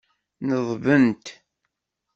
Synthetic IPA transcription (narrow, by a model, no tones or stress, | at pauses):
nəðˤvənt̪